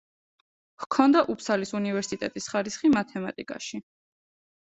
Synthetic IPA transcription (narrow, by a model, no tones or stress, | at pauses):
hkʰɔnd̪aʔupʰsalisunivɛɾsit̪ʼɛt̪ʼisχaɾisχimat̪ʰɛmat̪ʼikʼa̰ʃi